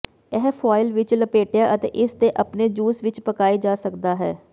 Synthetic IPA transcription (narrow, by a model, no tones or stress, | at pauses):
ɛɦpʰaːɪlʋɪt͡ʃləpeːʈjaːʔət̪ḛːʔɪst̪eːʔəpneːd͡ʒuːsʋɪt͡ʃpəkaːiːd͡ʒaːsəkd̪aːɦɛː